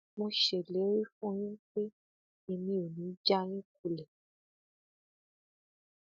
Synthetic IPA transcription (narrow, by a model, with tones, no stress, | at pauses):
mõ˧ʃe˨le˨˦wi˦fũ˦j̃ĩ˦k͡pe˦ | i˧nĩ˧˦o˨nĩ˨˦d͡ʒa˦ɾ̃ĩ˦k̚u˧lɛ˨